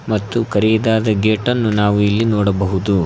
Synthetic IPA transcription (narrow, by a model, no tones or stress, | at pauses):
mɐt̪ːukɐɾɛjid̪aːd̪ɐɡeːʈɐnːunaːʋuilːinɔːɽɐbɐɦud̪u